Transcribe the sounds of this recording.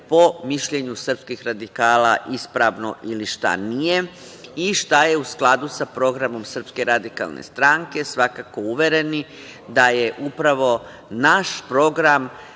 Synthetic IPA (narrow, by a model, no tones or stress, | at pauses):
po̞miʃʎe̞ɲusr̩pskixɾad̪ikaːlaʔispɾaʋno̞̰ʔiliʃt̪a̰nije | iʃt̪aje̞usklˠad̪usapɾo̞ɡɾamo̞msr̩pske̞ɾad̪ika̰lˠnḛst̪ɾaŋke̞sʋakako̞uʋe̞ɾe̞ni | d̪aje̞ʔupɾaʋo̞ | naʃpɾo̞ɡɾam